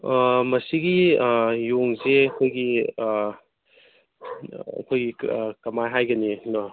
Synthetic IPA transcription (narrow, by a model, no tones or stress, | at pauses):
mɐsiɡijoŋzeɐkʰojɡi | ɐ̰kʰojɡikɐmajɦajɡɐninɔ